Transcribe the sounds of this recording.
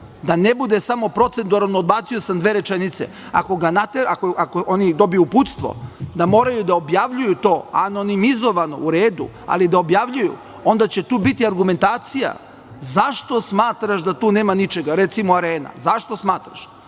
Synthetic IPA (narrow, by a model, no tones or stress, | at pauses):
d̪anebud̪esamo̞pɾo̞t̪se̞nd̪uɾanoːd̪̚baːt̪sio̞samd̪ʋeːɾe̞t͡ʃenit̪se̞̰ | a̰ko̞ɡanat̪eɾakoʔakoʔonid̪o̞bijuput̪st̪ʋo̞̰d̪amo̞ːɾajud̪aobjaʋʎujut̪o̞ːano̞nimizo̞ʋano̞̰uɾeːd̪ṵ | a̰lid̪ao̞bjaʋʎujṵ | o̞nd̪at͡ɕe̞t̪uːbit̪iaɾɡume̞nt̪aːt̪sija̰ | zaʃt̪o̞smaːt̪ɾaʃd̪at̪uːne̞ːmanit͡ʃe̞ɡaɾet̪simoaɾeːna̰zaʃt̪o̞smaːt̪ɾa̰ʃ